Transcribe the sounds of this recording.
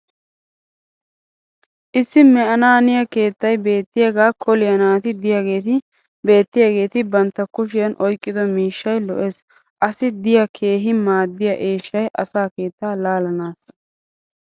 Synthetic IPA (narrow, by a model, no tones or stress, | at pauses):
ʔɪsːɪmɛʔɐnaːnɪjɐke̞ːt̪ːɐjbe̞ːt̪ːɪjaːɡaːkʰɔlɪjɐnaːt̪ɪd̪ɪjaɡe̞ːt̪ɪ | be̞ːt̪ːɪjaɡe̞ːt̪ɪbɐnt̪ːɐkʊʃ̬ɪjɐnʔɔjkʼːɪd̪ɔmiːʃːɐjlɔʔe̞ːs | ʔɐsɪd̪ɪjɐkʰe̞ːɦɪmaːd̪ːɪjɐʔeːʃːɐjʔɐsaːke̞ːt̪ːaːlaːlɐnaːsɐ